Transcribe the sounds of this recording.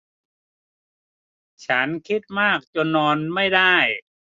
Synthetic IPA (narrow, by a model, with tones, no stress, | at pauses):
t͡ɕʰa˦˥nkʰi˦˥t̪̚maː˥˩k̚t͡ɕo˧nːɔː˧nma˥˩jda˥˩j